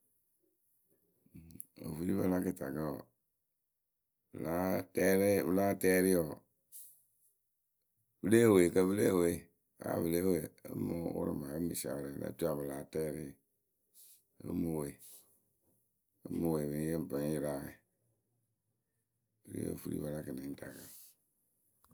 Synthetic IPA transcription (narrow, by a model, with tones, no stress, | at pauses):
o̰˨fu˦li˦bə˦la˦kə˦ta˨ka˦ɔ˨ | bla˦tɛ˦ɾe˦bɨ˨laː˦tɛ˦ɾi˦ɔ˨ | b̥ɨ˦le˦˨we˨kə˦bɨ˦le˦˨we˨ | a̰˨˦bɨ˨le˦we˨ə˨˦mo˦wṵ˦ɾɪ̰˨ma˨ə˦mi˨sa̰˨ɾɛ˨na̰˨˦tu˦a˨bɨ˨laː˨˦tɛː˦ɾi˦˨ | ə̰˦mo˨we˨ | ə˦mu˨we˨mi˨˦e˦m˨pə˨˦n˦i˦ɾa˦ɛ˨ | b̥ɨ˦lḭ˦jo̰˨fu˦ɾḭ˦ba˨la˦kɨ˨nɛ˨n˦ta˨ka˨˦˨